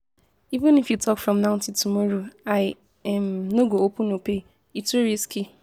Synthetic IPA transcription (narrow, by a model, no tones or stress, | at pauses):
ivɪ̃nifjutɔkfɹɔ̃mnãʊ̃ntitumɔɾoaɪ | ɛmnoɡoopʊ̃nope | ituɾiski